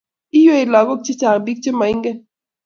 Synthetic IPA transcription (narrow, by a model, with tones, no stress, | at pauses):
i˦jo˦i˨lɔ˨ɡo˦˨k̚t͡ʃe˦t͡ʃa˨ŋ˨bi˦k̚t͡ʃe˦ma˨i˦ŋɡe˦